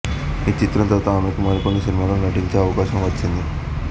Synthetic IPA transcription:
iːt͡ʃit̪ɾɐnt̪ɐt̪aːnukumaːnikonːisinimaːlonɐʈiɲt͡ʃe̞ːɐʋɐkaːʃɐmʋɐt͡ʃːind̪i

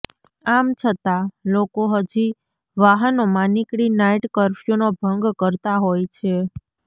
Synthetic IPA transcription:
amt͡ʃʰət̪alokoɦəd͡ʒi | ʋaɦənomãnikɽinajʈkəɾfjonobʱəŋɡkəɾt̪aɦojt͡ʃʰe

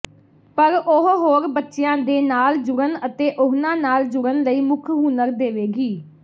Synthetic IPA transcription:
pəɾoɦɦoːɾbətːʃɪjãːd̪eːnaːld͡ʒʊɽənət̪eːʔʊɦnãːnaːld͡ʒʊɾənləiːmʊkʰɦuːnəɾd̪eːʋeːɡiː

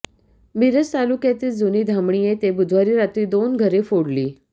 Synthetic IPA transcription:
miɾəst̪alukjat̪iːld͡zuniːd̪ʱamɳijet̪ebud̪ʱʋaɾiːɾat̪ɾiːd̪onɡʱəɾefoɽliː

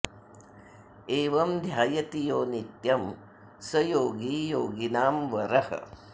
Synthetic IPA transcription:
eːʋɐmd̪ʱjaːjɐt̪ijoːnit̪jɐm | sɐjoːɡijoːɡinaːmʋɐɾɐhɐ̰

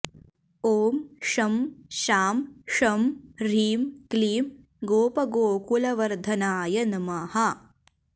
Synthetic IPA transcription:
oːmʂɐmʃaːmʂɐmɾiːmkliːm | ɡoːpɐɡoːkulɐʋɐɾd̪ʱɐnaːjɐnɐmɐhɐ

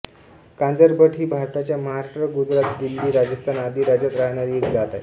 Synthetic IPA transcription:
kand͡zəɾbəʈʰiːbʱaɾt̪at͡ɕjaməɦaɾaʂʈɾəɡud͡zɾat̪d̪ilːiːɾad͡ʑəst̪ʰanad̪ʱiːɾad͡ʑat̪ɾaɦɳ̃aɾiːekd͡zat̪a̰j

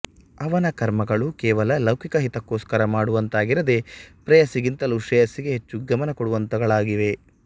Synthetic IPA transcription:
ɐʋɐnɐkɐɾmɐɡɐɭukɛːʋɐlɐlɐwkʰikɐɦit̪ɐkːoːskɐɾɐmaːɽuʋɐnt̪aːɡiɾɐd̪e̞pɾɐjɐsiɡint̪ɐluʂɛjɐsiɡeɦet͡ʃːuɡɐmɐnɐkɔɽuʋɐnt̪ɐɡɐɭaːɡiʋe̞

